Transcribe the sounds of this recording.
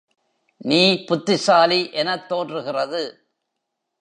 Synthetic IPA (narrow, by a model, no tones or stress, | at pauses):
niːpʊt̪ːɪsaːliʔɛnɐt̪ːoːndrɯɣɪrɐðɯ